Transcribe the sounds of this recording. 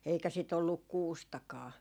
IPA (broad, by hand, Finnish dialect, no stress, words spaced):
eikæ sit olːuk kuːstɑkɑː